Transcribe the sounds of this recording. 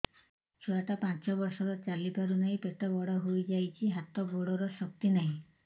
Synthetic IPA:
t͡ʃʰɔaʈapãt͡ʃɔbɔɾsɔɾɔt͡ʃalipaɾunaɦĩpeʈɔbɔɽɔɦojd͡ʒajt͡ʃʰiɦat̪ɔboɽɔɾɔsɔk̚t̪inaɦĩ

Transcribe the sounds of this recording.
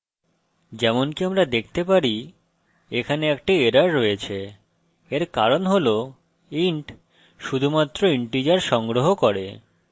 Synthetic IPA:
d͡ʑɛmonkiamɾad̪ek̚ʰt̪epaɾi | ekʰaneɛk̚ʈieɾaɾːoet͡ɕʰe | eɾkaɾonɦolo | iɳʈ | ʃud̪ʱumat̪ːɾoiɳʈid͡ʑaɾʃɔŋɡɾoɦokoɾe

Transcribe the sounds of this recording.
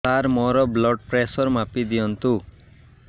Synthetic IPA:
aɾmɔɾɔblɔɖ̚pɾesɔɾmapid̪ijɔnt̪u

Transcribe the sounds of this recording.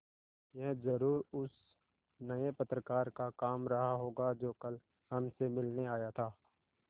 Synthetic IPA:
jɛɦzɐɾuːɾʊs | nɐepət̪ɾəkaːɾkakaːmɾɐɦaɦoːɡad͡ʒoːkɐl | hɐmsemɪlneaːjat̪ʰaː

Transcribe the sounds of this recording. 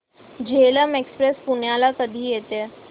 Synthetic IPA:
d͡ʑeləmekspɾespuɳjalakəd̪ʱiːjet̪e

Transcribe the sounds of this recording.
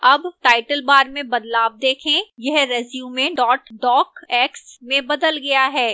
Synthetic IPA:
ɐbʈaːɪʈəlbaːɾmẽbɐd̪laːb̚d̪eːkʰẽjɛɦɾɛzjũːmẽɖɔːʈɖɔːkɛːksmẽbɐd̪əlɡɐjaɦɛː

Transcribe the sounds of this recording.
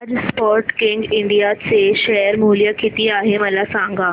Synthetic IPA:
d͡zspɔɾʈkiŋɡiɳɖijat͡seɕɛjəɾmuljəkit̪iːaɦeməlasãŋɡa

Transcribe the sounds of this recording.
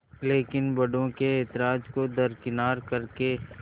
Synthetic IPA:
leːkɪnbɐɽõkeɛːt̪ɪɾaːd͡ʒkod̪ɐɾkɪnaːɾkɐɾke

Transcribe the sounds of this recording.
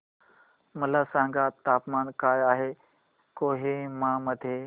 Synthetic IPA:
mɐlasãːŋɡat̪aːpmaːnkaːjaːɦe | koːɦemãməd̪ʱje

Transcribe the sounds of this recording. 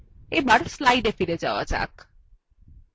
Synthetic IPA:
ebaɽslajɖefʰiɾed͡ʒawa̰d͡ʒa̰k

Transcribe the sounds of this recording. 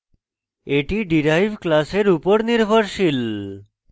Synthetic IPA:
eʈiɖiɾajbʱklaseɾupoɾniɾbʱoɾʃil

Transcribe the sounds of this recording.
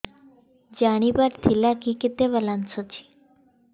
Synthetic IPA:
d͡ʑaɽ̃ibaɾt̪ʰilakiket̪eʋəlansot͡ɕʰi̥

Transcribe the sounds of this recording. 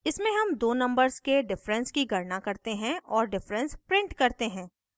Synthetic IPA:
ɪsmẽɦɐmd̪oːnɐ̃mbəɾzkeɖɪfɾə̃nskiɡʱɐɾnakɐɾt̪eɦɛ̃ʔɔːɾɖɪfɾə̃nspɾɪ̃ɳʈkɐɾt̪eɦɛ̃ː

